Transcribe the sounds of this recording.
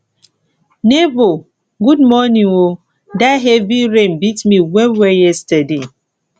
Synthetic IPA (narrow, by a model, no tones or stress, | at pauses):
nebo | ɡudmɔnĩŋo | daɦebiɾem̩bitmiwewejɛstade